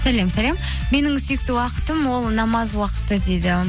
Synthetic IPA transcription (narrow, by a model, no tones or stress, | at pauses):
sælemsælem | me̞nɪŋsʏjɪk̚t̪ɪwɑqə̥t̪əmwo̞lˠnɑmɑzwɑqə̥t̪ːəd̪ed̪ɪ